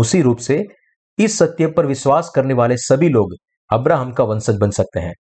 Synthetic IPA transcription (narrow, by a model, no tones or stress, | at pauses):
ʊsiɾuːpse | ɪsːɐt̪jəpɐɾʋɪʃwaːskɐɾneʋaːlesɐbʱiloːɡ | ɐbɾaːɦəmkaʋɐ̃nsəd͡ʒbɐnsɐk̚t̪eɦɛ̰̃ː